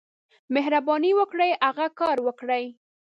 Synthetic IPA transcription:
meɦɾabɑniwəkɽəjaɣakɑɾwəkɽəj

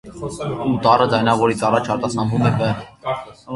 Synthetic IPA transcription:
ut̪ɑrəd͡zɑjnɑvɔɾit͡sɑrɑt͡ʃʰɑɾt̪ɑsɑmvumɛvə

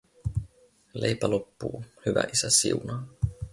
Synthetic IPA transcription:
le̞jpælopːuːhyʋæ̰ʔisæsḭunɑː

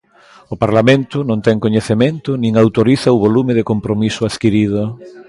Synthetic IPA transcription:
ʊpaɾlamẽnt̪ʊnõnt̪ɛŋkoɲeθemẽnt̪ʊnĩŋawt̪oɾiθaʊβolumɪðɪkompɾomisʊaðkiɾið̞ʊ

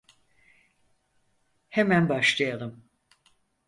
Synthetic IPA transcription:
hemænbaʃlˠɯjalˠɯm

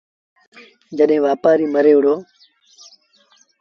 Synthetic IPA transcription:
d͡ʒəɗɦẽːʋaːpaːɾiːməɾeːɽoː

